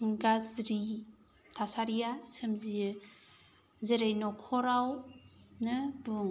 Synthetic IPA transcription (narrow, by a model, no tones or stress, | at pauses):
ɡazɾi | tʰasaɾijasɯmzi | zeɾejnɔkʰɔɾawnɯbuŋ